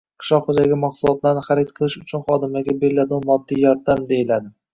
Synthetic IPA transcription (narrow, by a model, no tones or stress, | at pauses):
qʰɨ̥ʃlɒqχod͡ʒaɡʲamaχsʊlˠɒt̪ʰlaɾnɪχaɾɪt̪̚qʰɨlˠɪʃʊt͡ʃʰʊnχɒd̪ɪmaɡʲabelːad̪ɒnmɒd̪ːijɒɾd̪amd̪e̞jɪlad̪ɪ